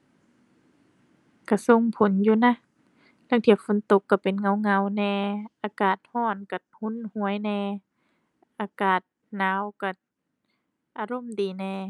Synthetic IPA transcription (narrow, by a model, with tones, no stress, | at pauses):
ka˧˩so˧˥˨ŋpʰo˨˦njuː˧˨na˧˥˨ | la˧˨ŋt̪ʰi˧˩əkfo˧˦nt̪o˧˦kːa˧˩pe˨nŋa˧˦wŋa˧˦wnɛː˧ʔaː˧kaː˨˩t̪̚hɔː˧˩nka˧˩hu˧˥˨nhu˨˧˦əjnɛː˧˩ | ʔaː˨˦kaː˨˩t̪̚ | naː˨˧˦wka˧˩ | ʔaː˨˧˦ɾo˧˥˨mdiː˨˩nɛː˧˩